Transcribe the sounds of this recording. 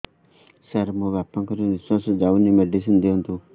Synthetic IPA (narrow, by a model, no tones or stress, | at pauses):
səɾmõʋjaːpãŋkɔɾinʋiswasd͡ʒaunimeɖis̬ind̪eɦnt̪u